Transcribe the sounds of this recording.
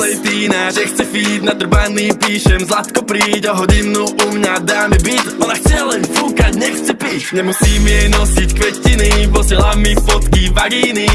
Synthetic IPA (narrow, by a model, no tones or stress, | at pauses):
lɛjt̪iːnaʒɛxt͡sɛfiːt̪nad̪r̩baniːpiːʃɛmzlˠat̪kɔpɾiːcɔɦɔɟinːuʔumɲad̪aːmɛbitɔnaxt͡sɛalɛnfuːkacɲɛxt͡sɛpiːʃɲɛmusiːmiɛjnɔsickʋɛtinivɔsɪɛlamifɔt̪kivaɡini